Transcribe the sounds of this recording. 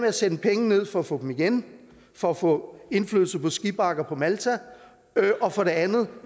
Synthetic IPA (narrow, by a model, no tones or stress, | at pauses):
meæsenəpʰeŋəne̝ð̞̰ˠfɒ̽æfɔ̰d̥emiɡ̥en | fɒ̽æfɔ̰̽ːe̝nfly̰ðˠl̩sɐpʰɒ̽sɡ̥ib̥ɑ̈ɡ̥ɐpʰɒ̽mælt͡sʰæ | ʔɒ̽fɒ̽ɾe̝ænð̩ˠ